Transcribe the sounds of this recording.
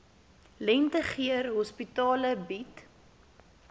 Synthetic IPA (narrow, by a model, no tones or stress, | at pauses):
lɛntəχiərɦɔspitɑːləbit